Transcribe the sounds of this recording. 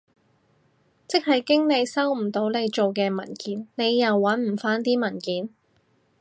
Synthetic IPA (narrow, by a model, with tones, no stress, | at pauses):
t͡sɪ˥k̚hɐ˨jkɪ˥ŋne˨˧jsɐ˥wm̩˨˩t̪o˨˥wne˨˧jt͡ʃo˨wkɛː˧mɐ̰˨˩nkiː˨˥nne˨˧jːɐ˨wːɐ˨˥nm̩˨˩faː˥nt̪iː˥mɐ˨˩nkiː˨˥n